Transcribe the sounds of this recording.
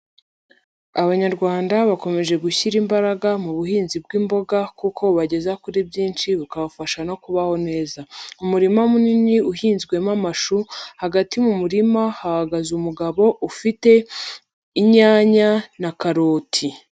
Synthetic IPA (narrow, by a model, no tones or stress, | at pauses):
aβaɲaɾɡwaːndaβako̞me̞ʒe̞ɡuçiɾimbaɾaɡamuβuɦiːnzib̚ɡimbo̞ɡakukʰo̞βaɟe̞zakuɾibjiːnʃiβukaβafaʃano̞kuβaho̞ne̞ːzaumuɾimamuniniuɦiːnzɡwe̞mamaʃuhaɡatimumuɾimahahaɡazumuɡaβo̞ʔufite̞ | iɲaːɲanakaɾo̞ːtʰi